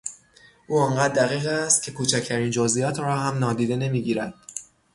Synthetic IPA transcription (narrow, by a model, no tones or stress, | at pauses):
ʔuːɒŋɢæd̪̚ːæɣiːɣæst̪̚cʰe̞kʰuːt͡ʃʰæcʰt̪ʰæɾiːnd͡ʒozʔijɒːt̪ʰrɒːɦæmnɒːd̪iːd̪e̞ne̞miːɟiːɾæd̪̥